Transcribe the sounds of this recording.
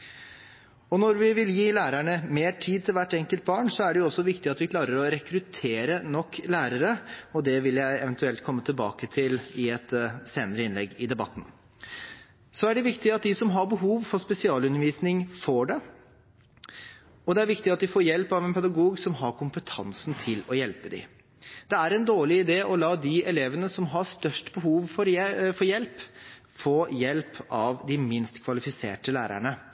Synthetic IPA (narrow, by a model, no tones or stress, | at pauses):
ɔnɔɾʋɪʋɪljiːlæːɾæɳəmeːʈʰiːd̪̚t̪ʰɪlʋæʈːɛŋkəlt̪̚bɑːɳsɔæɖɛjʊɔsːɔʋɪkt̪ɪɑt̪ʋɪkʰlɑːɾəɾɔɾɛkɾʉt̪ʰeːɾənɔkːlæːɾəɾəɔd̪ɛʋɪljæɪɛʋɛnt̪ʉɛlt̪kʰɔmːət̪ʰɪlbɑ̰ːkət̪ʰɪlɪɛt̪seːnəɾəɪnlɛɡːɪd̪ɛbɑt̪ːn̩ | sɔæɖɛʋɪkt̪ɪɑt̪̚d̪ɪsɔmɦɑɾbəɦuːʋfɔɾspɛsɪɑːlʉnːəɾʋiːsnɪŋfoːɖɛ | ɔd̪ɛæɾʋɪkt̪ɪɑt̪̚d̪ɪfoːɾjɛlpɑʋɛnpʰɛd̪ɑɡuːɡsɔmɦɑɾkʰʊmpət̪ʰɑ̰nsnt̪ʰɪlɔjɛlpəd̪ɪ̰ | d̪̥ɛæɾɛnd̪oːɭɪɪd̪eːʔɔlɑːd̪ɪʔɛleːʋənəsɔmɦɑst̪œʂʈbəɦuːʋfɔɾfɔjɛlp | foːjɛlpɑʋd̪ɪmɪnst̪kʰʋɑlɪfɪsḛːʈəlæːɾæ̰ɳə